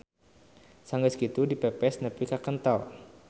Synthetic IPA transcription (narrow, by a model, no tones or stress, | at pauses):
saŋɡəskit̪udipepɛsnəpikakənt̪ɔl